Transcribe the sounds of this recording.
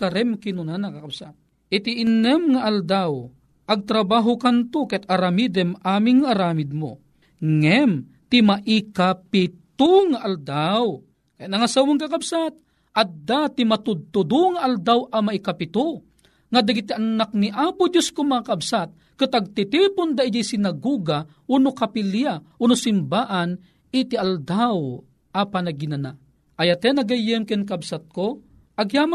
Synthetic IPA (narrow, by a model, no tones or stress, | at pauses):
kaɾɛmkɪnʊnanakakabsat̪̚ | ɪt̪iʔɪnɛmŋaʔald̪aw | ʔɐɡ̚t̪ɾabaɦʊkant̪okɛt̪aɾamid̪ɛmʔaːmɪŋːʔaɾaːmɪd̪̚mo̰ | ŋɛm | t̪ɪmaʔɪkapɪt̪oŋaʔald̪aw | kajanaŋasawʊŋkakabsat̪̚ | ɐd̪at̪ɪmat̪ʊd̪̚t̪ʊd̪ʊŋaʔald̪awʔamaʔikapɪt̪ʊ | ŋad̪aɡit̪ianak̚niʔaːpʊd͡ʒ̪jʊskʊmɐŋakabsat̪̚ | kɨt̪aɡ̚t̪it̪ipʊnd̪aɪjasɪnaɡuɡa | ʔunʊkapilja | uːnʊsɪmbaːʔan | ɪt̪iald̪aw | ʔapanaɡɪnana | ʔajat̪ɛnɐɡajɪmkɪnk̬absat̪̚ko | ʔaɡjama